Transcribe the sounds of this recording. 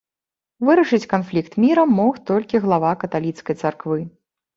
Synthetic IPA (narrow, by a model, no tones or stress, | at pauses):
vɨɾɐʂɨt͡sʲkanflʲikt̪mʲiɾɐmːɔxt̪ɔlʲkʲiɣlˠavakɐt̪alʲit̪skɐjt̪sarkvɨ